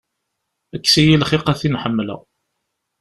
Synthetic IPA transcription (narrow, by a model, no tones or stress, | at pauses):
ækːsijilχiqæθinħəmːlə̰